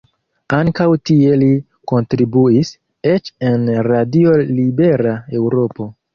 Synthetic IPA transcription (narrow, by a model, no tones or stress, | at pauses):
aŋkawtie̞li | ko̞ntɾibuis | e̞t͡ʃe̞nɾadio̞libe̞ɾae̞wɾo̞po̞